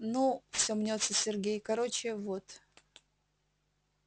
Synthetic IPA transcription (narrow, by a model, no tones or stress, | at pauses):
nufsʲomnʲot̪səsʲɪrɡʲejkɐɾot͡ɕɪvot̪